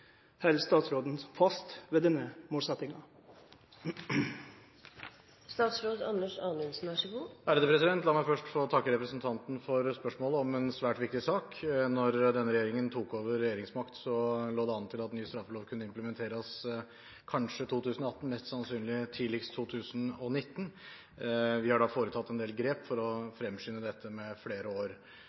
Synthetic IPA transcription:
hɛlst̪ɑːt̪sɾoːd̪n̩fɑst̪ʋeːd̪ɛnːəmuːt̪sɛt̪ːɪŋɑ | st̪ɑːt̪sɾoːd̪ɑnːəʂɑːnɪnsn̩ɑʂəɡuːæːɾd̪əpʰɾɛsɪd̪ɛnt̪lɑːmæɪfœʂʈfoːt̪ʰɑkːəɾɛpɾəsnt̪ʰɑnt̪n̩fɔɾspœʂmoːləɔmɛnsʋæːʈʋɪkt̪ɪsɑːknɔɾd̪ɛnːəɾɛjeːɾɪŋənt̪ʰuːkoːʋəɾːɛjeːɾɪŋsmɑkt̪sɔloːd̪ɛɑnt̪ʰɪlɑt̪nyːəst̪ɾɑfloːʋkʰʉnːəɪmpləmɛnt̪ʰeːɾəs | kʰɑnʂət̪ʰuːt̪ʰʉːsnɔɑt̪ːn̩mɛst̪sɑnsyːnlɪt̪ʰiːlɪkst̪ʰːuːt̪ʰʉːsənɔnɪt̪ːn̩ | ʋɪhɑɖɑːfoːɾət̪ʰɑt̪ːɛnd̪eːlɡɾeːpfɔɾɔfɾɛmːʂʏːnːəd̪ɛt̪ʰːəmɛfleːɾəoːɾ

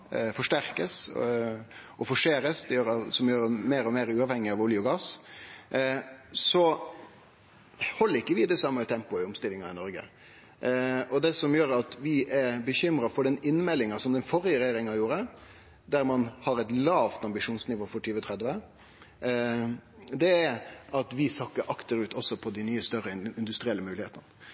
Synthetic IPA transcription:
fɔʂʈæɾkəs | ɔfɔʂeːɾəsd̪ɛjøːɾɑsɔmjøːɾmeːɾɔmeːɾʉːɑʋhɛŋːɪɑʋʊljʊɡɑːs | sɔ | hɔlːəɾɪkːəʋɪd̪ɛsɑmːət̪ʰɛmpʊɪʊmst̪ɪlɪŋɑɪnɔɾɡə̰ | ʔɔd̪ɛsɔmjøːɾɑt̪ʋɪʔɛɾbəçʏmɾɑfɔɖɛnɪnːmɛlːɪŋɑsɔmd̪ɛnfɔɾɪəɾɛjeːɾɪŋɑjuːɾə | d̪æɾmɑnhɑɾɛt̪lɑːʋt̪ɑmbɪʂuːnsnɪʋoːfɔʈʰyːʋət̪ʰɾɛd̪ʋə | d̪ɛːɾʔɑt̪ʋɪsɑkːəɾʔɑkt̪əɾʉːt̪ʰɔsːɔpʰɔd̪ɪnyːəst̪œɾəɪnd̪ʉst̪ɾɪɛlːəmʉːlɪheːt̪ənnə

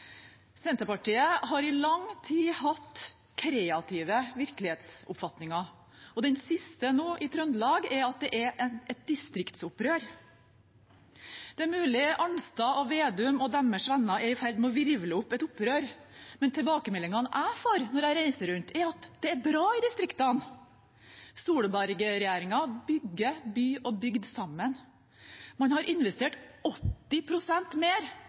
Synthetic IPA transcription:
sɛnt̪əpɑʈiːəɦɑɾɪlɑŋt̪ʰiːhɑt̪ | kʰɾeːɑt̪ʰɪʋəʋɪɾkəlɪheːt̪sʊ̰pfɑt̪nɪŋɑ | ɔd̪ɛnsɪst̪ənoːʔɪt̪ʰɾœnd̪lɑːɡɛɾɑt̪̚d̪ɛʔɛɾʔɛt̪̚d̪ɪst̪ɾɪkt̪sʊpɾøːɾ | d̪̥ɛmʉːlɪʔɑnst̪ɑʔɔʋeːd̪ʉmɔd̪æmːəʂʋɛnːɑɛɾɪfæɾd̪mɛɔʋɪɾʋləʊpːɛt̪ʊpɾøːɾmɛnt̪ʰɛlbɑːkəmɛlɪŋɑnʔæɪfɔɾnɔɾæɪɾæɪsəɾʉnt̪ʰɛɾɑt̪d̪̥ɛːɾbɾɑːɪd̪ɪst̪ɾɪkt̪ɑn | suːɽəbæɾɡəɾɛjæːɾɪŋɑbʏɡːəbyːʔɔbʏɡd̪sɑmːən | mɑnhɑɾʔɪnʋɛst̪eːʈɔt̪ːɪpʰɾʊsɛnt̪meːɾ

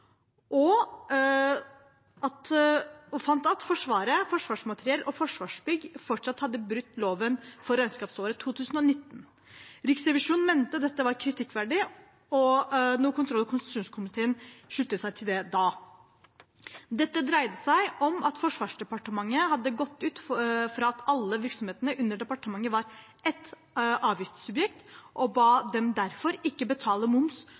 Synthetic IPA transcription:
ʔɔ | ʔɑt̪ɔfɑnt̪ɑt̪fɔʂʋɑːɾəfɔʂʋɑːʂmɑt̪əɾɪɛlʔɔfɔʂʋɑːʂbʏɡfɔʈʂɑt̪hɑd̪ːəbɾʉt̪ːloːʋənfɔɾæɪnskɑːpsoːɾət̪ʰuːt̪ʰʉːsn̩ɔnɪt̪ːn̩ | ɾɪksɾɛʋɪʂuːnmɛnt̪əd̪ɛt̪ːəʋɑɾkʰɾɪt̪ʰɪkːʋæɖɪ | ɔnuːəkʊnt̪ʰɾɔlːkʰʊnst̪ʃuːnskʰʊmɪt̪ʰeːənʂʉt̪ːəsæɪt̪ʰɪld̪ɛd̪ɑː | d̪ɛt̪ːəd̪ɾæɪd̪əsæɪʔɔmɑt̪fɔʂʋɑːʂɖɛpɑʈəmɑŋːəhɑd̪ːəɡɔt̪ːʉːt̪fɾɑɑt̪ɑlːəʋɪɾksɔmheːt̪ənəʔʉnːəɖɛpɑʈəmɑŋːəʋɑɾ | ʔɛt̪ː | ʔɑːʋʋiːst̪sʉbjɛkt̪ʔɔbɑːd̪ɛmd̪æɾfɔɾɪkːəbət̪ʰɑːləmʊms

